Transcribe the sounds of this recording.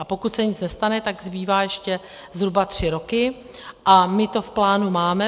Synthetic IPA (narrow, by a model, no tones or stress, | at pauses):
ʔapo̞kut̪sɛɲɪt͡snɛst̪anɛt̪aɡzbiːvaːjɛʃcɛ | zɦɾubat̪r̝̥ɪɾo̞kɪ | ʔamɪt̪o̞fplaːnumaːmɛ